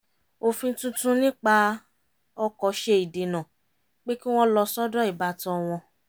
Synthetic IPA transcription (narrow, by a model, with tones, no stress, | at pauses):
o˧fĩ˧˦tũ˦tũ˦nĩ˦k͡pa˧ | ɔ˧kɔ˧˦ʃe˧i˨de˨nã˨ | k͡pe˦ki˦w̃ɔ̃˦lɔ˧sɔ˦dɔ˦i˨ba˧˦tɔ̃˧˦˧w̃ɔ̃˧